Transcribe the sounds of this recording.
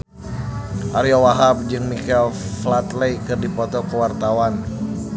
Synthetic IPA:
ʔaɾiawaɦap̚d͡ʒɨŋmikɛlflat̪lejkɨrdipɔt̪ɔkəwart̪awan

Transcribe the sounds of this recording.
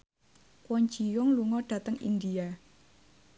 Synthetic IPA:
kwɔɲd͡ʒijʊŋluŋɔɖ̥ä̤t̪əŋḭnd̪ia

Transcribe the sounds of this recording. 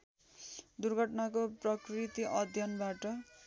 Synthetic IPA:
d̪urɡʱʌʈnakoprʌkrit̪iʔʌd̪ʱjʌnbaʈʌ

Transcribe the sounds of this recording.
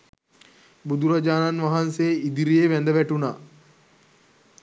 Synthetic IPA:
bud̪uɾad͡ʒaːnanʋaɦanseːid̪iɾieʋænd̪əʋæʈunaː

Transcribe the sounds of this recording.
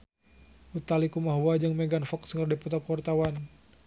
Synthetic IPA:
ut̪alikumaɦuad͡ʒɨŋmeɡanfɔkskərdiput̪ɔkwɔrt̪awan

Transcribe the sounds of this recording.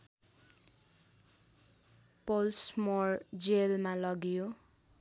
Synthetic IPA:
polsmord͡zelmalʌɡjo

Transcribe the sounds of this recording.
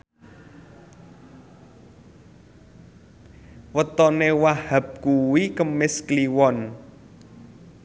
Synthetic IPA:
wət̪ɔnewahap̚kuwikəmɪskliwɔn

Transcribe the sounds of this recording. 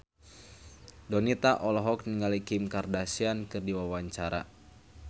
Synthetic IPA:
dɔnit̪aʔɔlɔɦɔk̚niŋalikimkardasiankɨrdiwawaɲt͡ʃaɾa̰

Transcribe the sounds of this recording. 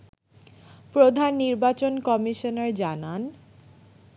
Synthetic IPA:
pɾod̪ʱanːiɾbat͡ɕonkɔmiʃoneɾd͡ʑanan

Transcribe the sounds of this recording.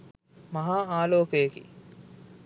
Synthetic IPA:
mɐɦaːaːloːkejekḭ

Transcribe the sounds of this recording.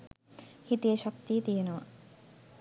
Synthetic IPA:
hit̪ieʃɔk̚t̪it̪ienɔwa̰

